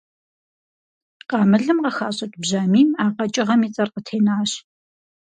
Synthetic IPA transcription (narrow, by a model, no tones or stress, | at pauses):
qɑːmɨɮɨmqɐxaːɕʼɐtʼbʑaːmiːmaːqɐt͡ʃʼɪʁɐmiːt͡sʼɐrqətʰeːnaːɕ